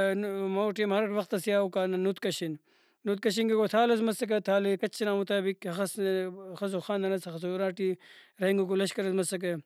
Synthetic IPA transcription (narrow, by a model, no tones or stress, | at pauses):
moːʈimɦɐɾʋɐxt̪ɐsijaːukaːnnut̪kɐʃin | nut̪̚kɐʃinkekot̪ʰaːlɐs̬mɐsɐk̬ɐt̪ʰaːlekɐt͡ʃʰːinaːmut̪aːbikhɐxɐsxɐsuxaːnd̪ɐnɐsɐxɐs̬uɾaːʈiɾɐiŋɡukulɐʃkɐɾɐsmɐsɐk̬e